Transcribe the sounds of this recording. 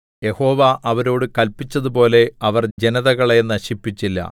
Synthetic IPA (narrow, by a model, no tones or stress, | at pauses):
je̞ho̞ːʋaʔɐʋɐɾo̞ːɽɨkɐlpːit͡ɕːɐðupo̞ːle̞ɐʋɐrd͡ʑenɐðɐɣɐɭenːɐɕipːit͡ɕːilːɐ̰